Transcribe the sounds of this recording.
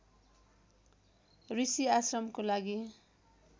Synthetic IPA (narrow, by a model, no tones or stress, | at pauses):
risiasrʌmkolaɡi